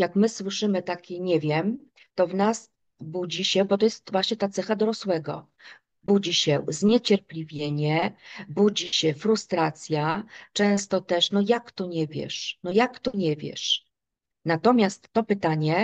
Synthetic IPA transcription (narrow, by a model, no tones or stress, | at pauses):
jakmɘswɘʂɘmɘt̪akʲiɲɛvʲjɛm | t̪ɔvnas | bud͡ʑiɕɛbɔt̪ɔjɛst̪vwaɕɲɛt̪at̪sɛxad̪ɔɾɔswɛɡɔ̰ | bud͡ʑiɕɛzɲet͡ɕɛɾplʲivʲjeɲɛbud͡ʑiɕɛfɾust̪ɾat̪sʲjat͡ʂɛ̃w̃st̪ɔt̪ɛʂnɔjakt̪ɔɲɛvʲjɛ̰ʂnɔjakt̪ɔɲɛvʲjɛ̰ʂ | nat̪ɔmʲjast̪ːɔpɘt̪aɲɛ